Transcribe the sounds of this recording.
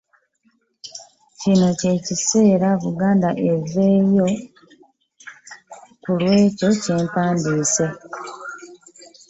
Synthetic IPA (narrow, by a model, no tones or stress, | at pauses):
cino̞ce̞ːcise̞ːɾaβuɡaːndaʔe̞ze̞ːjo̞ | kulwe̞ːco̞ce̞ːmpaːndiːse̞